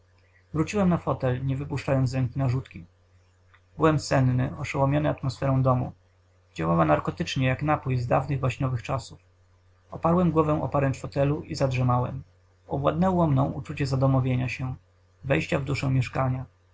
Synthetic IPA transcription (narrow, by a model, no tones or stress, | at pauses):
vɾut͡ɕiwɛmnafɔt̪ɛlɲɛvɘpuʂt͡ʂajɔnt̪sɾɛŋkʲinaʐut̪kʲi | bɘwɛmsɛnnɘɔʂawɔmʲjɔnɘat̪mɔsfɛɾɔ̃w̃d̪ɔmṵ | d͡ʑawawanaɾkɔt̪ɘt͡ʂɲɛjaknapujzd̪avnɘɣvwaɕɲɔvɘxt͡ʂasuf | ɔpaɾwɛmɡwɔvɛw̃ʔɔ̰paɾɛnt̪fɔt̪ɛluʔizadʐɛmawɛ̰m | ɔbwad̪nɛwɔmnɔ̃w̃ʔut͡ʂut͡ɕɛzad̪ɔmɔvʲjeɲaɕɛ | vɛjɕt͡ɕavd̪uʂɛw̃mʲjɛʂkaɲa